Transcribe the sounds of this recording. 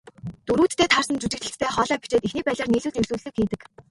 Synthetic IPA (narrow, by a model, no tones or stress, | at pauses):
t̪uɾuːt̪ʰːeːt̪ʰarsə̆nt͡ɕut͡ɕɪ̆k̚t͡ɕ̪ɘ̆ɬt̪t̪ːʰæːχɔːɮaːpi̥t͡ɕeːt̪ixniːpæːɮʲăːrniːɮuːɮirsuːɮɘ̆kxiːt̪ɘ̆k